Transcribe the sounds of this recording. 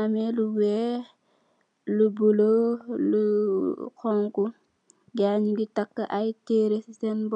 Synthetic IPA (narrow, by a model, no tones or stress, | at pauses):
amɛluwɛː | lubulolu | kɔŋku | ɡaɲiɡitakːəʔajteːɾessɛnb